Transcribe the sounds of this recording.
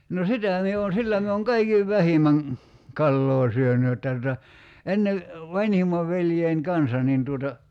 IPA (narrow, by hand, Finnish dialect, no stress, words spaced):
no sitæˑ mie on̞ silːæ mie oŋ kɑikiʋ ʋæhimæŋ kɑlːoː syøny jotːɑ tutɑ enːe ʋɑnʲhimˑɑʋ ʋeljein kɑnsɑ nin tuotɑ